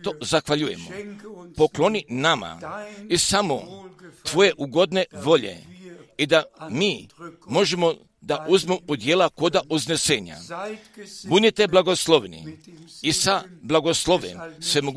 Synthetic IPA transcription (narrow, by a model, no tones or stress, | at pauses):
t̪o̞zaxʋaʎuje̞mopo̞klo̞ninama̰isamot̪ʋo̞je̞ʔuɡo̞d̪ne̞ʋo̞ʎe̞̰id̪amiːmo̞ʒemo | d̪aʔuzmumod̪jeːlako̞d̪aʔuzneseːɲa̰ | bunit̪eblaɡo̞slˠo̞ʋnḭisablˠaɡo̞slˠo̞ʋḛnsʋe̞moɡ